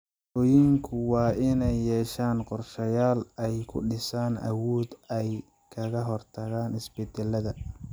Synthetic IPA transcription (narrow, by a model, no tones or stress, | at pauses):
ɔːjɪŋkʰʊwɑːɪnɛjːɛːʃaːnqɔrʃɐjaːlɛjkʰʊ̰ɖɪsaːnʔɐ̰wɔːd̪ɛj | kʰɐɣɐɦɔrt̪ʰɐɣaːnɪsbɛd̪ɛlɐðɐ